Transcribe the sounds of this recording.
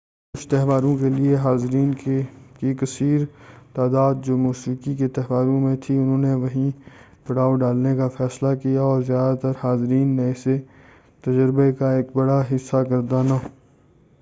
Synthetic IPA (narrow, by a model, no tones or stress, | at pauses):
kʊt͡ʃʰt̪ɛɦʋaːɾõkelieɦaːzɾiːnkekikɐsiːɾt̪aːd̪aːd̪̚d͡ʒoːmuːsiːkiket̪ɛɦʋaːɾõmẽt̪ʰiʊnɦõːneʋɐɦĩ | pɐɽ̤aːoɖaːlnekafɛːslakijaɔːɾzjaːd̪at̪ɐɾhaːzɪɾiːnːẽɪse | t̪ɐd͡ʒəɾbekaeːk̚bɐɽaɦɪsːakɐɾd̪aːnaː